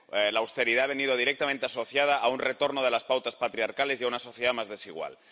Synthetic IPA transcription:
laːwst̪e̞ɾiðaːβe̞niðoð̞iɾek̚t̪amẽnt̪easo̞θjað̞aʔːunret̪o̞ɾnoð̞elaspawt̪aspat̪ɾiaɾkale̞sjaunaso̞θjeðamazðe̞siɣ̞wa̰l

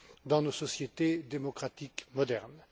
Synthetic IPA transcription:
d̪ɑ̃nosɔsjet̪ed̪emɔkχat̪ikmɔd̪ɛʁn

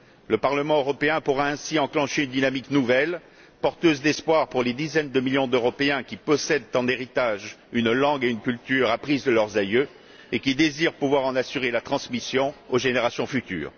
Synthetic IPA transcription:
ləpaʁləmɑ̃øʁɔpeɛ̃puʁaɛ̃siɑ̃klɑ̃ʃeynd̪inamiknuvɛl | pɔʁt̪øzd̪ɛspwaʁpuʁled̪izɛnd̪əmiljɔ̃d̪øʁɔpeɛ̃kʲipɔsɛd̪t̪ɑ̃d̪eʁit̪aʒynlɑ̃ɡeynkʲylt̪yʁapχizd̪əlœʁzajø | ekʲid̪eziʁpuvwaʁɑ̃nasyʁelat̪χɑ̃smisjɔ̃oʒeneʁasjɔ̃fyt̪y̰ːʁ

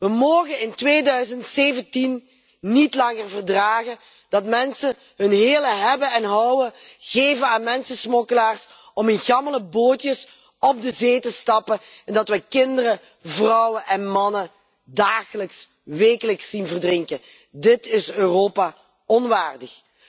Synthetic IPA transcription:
ʋəmoːɣənɪntʋeːdœɥzəntseːvəntinː | itlɑŋərvərdraːɣə | d̥ɑtmɛnsə | ɦɵnɦeːləɦɛbəɛnɦɑwəɣeːvənaːnmɛnsəsmɔkəlaːrs | ɔmənɣɑmələboːtjəs | ɔb̚dəzeːtəstɑpəɛndɑtʋɛkɪndərə | vrɔwəʔɛnmɑnə | daːɣələks | ʋeːkələksːinvərdrɪŋkə | dɪtɪsøːroːpa | ɔnʋaːrdəx

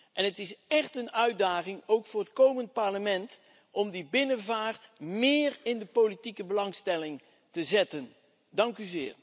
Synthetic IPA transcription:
ʔɛnɦətɪsɛχtənœɥdaːχɪŋowkfʊːɹɦətkowmənt̚pɑɹləmɛnt | ʔɔmdibɪnənvaːɹtmɪːrɪndəpolitikəbəlɑŋstɛlɪŋ | təzɛtən | dɑŋkyzɪ̰ːɹ

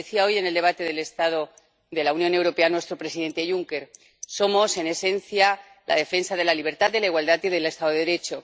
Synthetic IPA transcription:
eθiao̞jene̞ld̪e̞β̞at̪e̞ðe̞le̞st̪að̞o̞ | ðe̞lauwnjo̞ne̞wɾo̞pe̞anwe̞st̪ɾo̞pɾe̞siðe̞nt̪e̞ʝuŋke̞ɾ | so̞mo̞se̞ne̞sẽ̞nθja | lʔa̰ðe̞fensaðe̞laliβ̞e̞ɾt̪aðd̪e̞laiɣwald̪at̪iðe̞le̞st̪aðoðeeɾe̞t͡ʃo̞

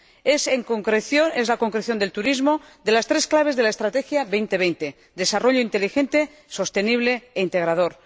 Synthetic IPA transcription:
eseŋkoŋkɾeθjonezlakoŋkɾeθjond̪e̞lt̪uɾizmo | d̪e̞last̪ɾe̞sklaβe̞zðe̞laest̪ɾat̪e̞xjaβe̞jnt̪e̞β̞ejnt̪e̞ | d̪e̞saro̞ʎoint̪e̞lixe̞nt̪e̞ | so̞st̪e̞niβle̞ːint̪e̞ɣ̞ɾað̞o̞ɾ

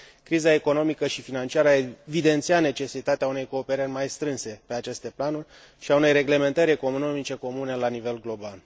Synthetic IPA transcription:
kɾizae̞ko̞no̞mikəʃifinant͡ʃiaɾəaevid̪e̞nt̪siat̪ne̞t͡ʃe̞sit̪at̪eaune̞jko̞ːpe̞ɾərʲmajst̪ɾɨnse̞pe̞at͡ʃe̞st̪e̞planurʲ | ʃiaune̞jɾe̞ɡle̞me̞nt̪əɾʲe̞ko̞mno̞mit͡ʃe̞ko̞mune̞lanive̞lɡlo̞bal

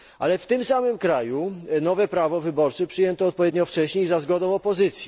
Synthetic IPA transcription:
ʔa̰lɛft̪ɘmsamɘmkɾajunɔvɛpɾavɔvɘbɔɾt͡ʂɛpʂɨjɛnt̪ɔːt̪̚pɔvʲjed̪ɲɔft͡ʂɛɕɲejzazɡɔd̪ɔ̃w̃ɔpɔzɘt̪sʲji

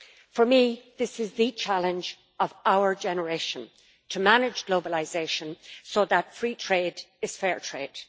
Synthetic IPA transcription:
fə˞miðɪsɪzðɨt͡ʃʰalˠə̃nd͡ʒ | əvaʊə˞d͡ʒɛnəɹeɪʃə̃n | tʰəmanɪd͡ʒɡloʊbəlaɪzeɪʃə̃nsoðətfɹiːtʰɹ̥eːdɪz̥fɛːɹtʰɹ̥eːd̥

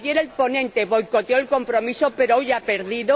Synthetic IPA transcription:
je̞ɾe̞lpo̞nẽ̞nt̪e̞βo̞jko̞t̪eoelko̞mpɾo̞misope̞ɾoojape̞ɾðiðo

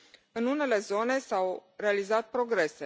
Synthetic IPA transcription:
ɨnune̞le̞zo̞ne̞sawre̞alizat̪̚pɾo̞ɡɾe̞se

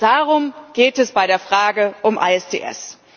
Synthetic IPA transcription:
d̥aːʁʊmɡ̥eːtɛsb̥aɪɾeːɐfʁ̥aːɡəʔʊmʔa̰ɛstʰḛːʔɛ̰s

